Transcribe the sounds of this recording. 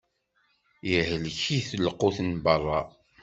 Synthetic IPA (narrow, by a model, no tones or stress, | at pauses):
jəhəlçiθəlquθənbərˤːɑ